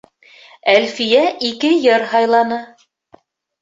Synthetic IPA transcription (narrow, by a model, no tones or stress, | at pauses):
ælfijæʔikɘjɤɾhɑjlˠɑnɤ